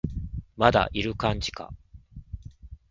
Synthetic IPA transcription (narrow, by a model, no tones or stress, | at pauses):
mad̪a̰ʔiɾɯ̟kãɲd͡ʑi̥ka̰